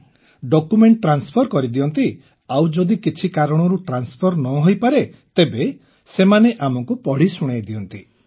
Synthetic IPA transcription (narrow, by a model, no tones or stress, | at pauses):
ɖokumeɳʈːɾanspʰɔɾkɔɾid̪iɔnt̪i | awd͡ʒɔd̪ikit͡ʃʰikaɾɔɽ̃ɔɾuʈɾanspʰɔɾnɔɦojpaɾet̪ebe | semaneʔamɔŋkupɔɽ̤isuɽ̃ejd̪iɔnt̪i